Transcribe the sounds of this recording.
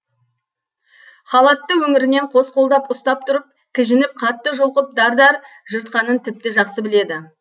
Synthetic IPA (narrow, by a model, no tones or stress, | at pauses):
χɑlˠɑt̪ːəwɵŋɪɾɪne̞ɴqʰo̞sqʰo̞lˠd̪ɑpʊst̪ɑp̚t̪ʰʊɾəp̚ | kʲʰɪʒɪnɪp̚qʰɑt̪ːəʒolˠqəp̚d̪ɑɾd̪ɑɾ | ʒəɾt̪̚qɑnənt̪ʰɪp̚t̪ɪʒɑqsəbɪle̞d̪ɪ